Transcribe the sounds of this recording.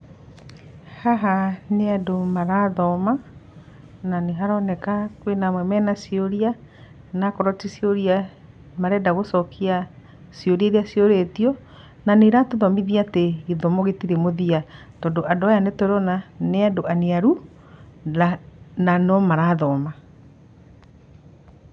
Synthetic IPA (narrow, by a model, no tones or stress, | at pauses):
haɦaneadomaɾaðɔma | naneɦaɾɔnɛkakwenamwɛmɛnasioɾia | nakɔɾɔtisioɾia | maɾɛdaɣosɔkʰia | sioɾieɾiasioɾetiɔ | naneɾatoðɔmiðiateɣeðɔmoɣetiɾemoðia | tɔːndoʔadoajanetoɾɔnaneadoaneaɾu | ananɔmaɾaðɔma